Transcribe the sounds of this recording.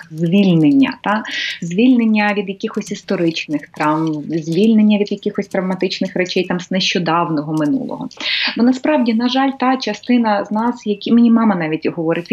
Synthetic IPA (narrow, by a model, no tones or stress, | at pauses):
zʲʋʲilʲnenʲːɐ̰t̪ɑzʲʋʲilʲnenʲːɐʋʲid̪jɐkʲixɔsʲist̪ɔɾɪt͡ʃnɪxt̪ɾɑmzʲʋʲilʲnenʲːɐʋʲid̪jɐkʲixɔsʲt̪ɾɐʋmɐt̪ɪt͡ʃnɪxɾɛt͡ʃɛjt̪ɑmznɛʃt͡ʃɔd̪ɑwnɔɦɔmɪnṵlˠɔ̰ɦɔ̰bɔnɐspɾɑwdʲinɐʒɑlʲt̪ɑt͡ʃɐst̪ɪnɐznɑsjɐkʲimenʲimɑmɐnɑʋʲitʲɦɔʋɔɾɪtʲ